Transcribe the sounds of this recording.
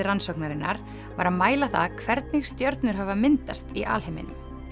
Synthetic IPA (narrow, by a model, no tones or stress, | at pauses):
ɪransɔknaɾɪnːa̰ɾ̥ | va̰ɾaðmaːjlaθaðkʰvɛɾt̪nɪxst̪jœɾt̪nʏɾ̥ɦavamɪnt̪ast̪iʔa̰ːlhemɪ̰nʏm